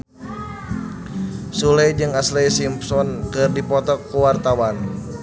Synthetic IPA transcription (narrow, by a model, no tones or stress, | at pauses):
sulajd͡ʒɨŋaslajsimpsɔnkɨrdipɔt̪ɔkːuwart̪awan